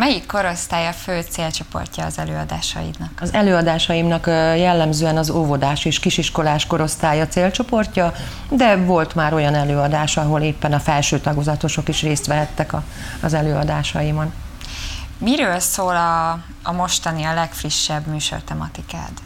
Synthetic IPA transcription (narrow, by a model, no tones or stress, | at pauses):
mɛjikːo̞ɾo̞st̪aːjɒføːt̪seːlt͡ʃo̞po̞̰rcɒːzɛløːɒd̪a̰ːʃɒ̰jḭd̪nɒkɒzɛløːɒd̪aːʃɒjimnɒkjɛlːɛmzøːɛnɒzoːvod̪aːʃeːʃkiʃiʃko̞laːʃko̞ɾo̞st̪aːjɒt̪seːlt͡ʃo̞po̞rcɒ | d̪ɛvo̞lt̪maːɾo̞jɒnɛløːɒd̪aːʃɒɦo̞leːpːɛnɒfɛlʃøːt̪ɒɡozɒt̪o̞ʃo̞kiʃreːst̪ʋɛɦɛt̪ːɛkɒ | zɛløːɒd̪aːʃɒjimɒn | miɾøːlsoːlɒː | mo̞ʃt̪ɒniɒlɛkfriʃːɛbmyːʃo̞̰rt̪ɛmɒ̰t̪ika̰ːt̪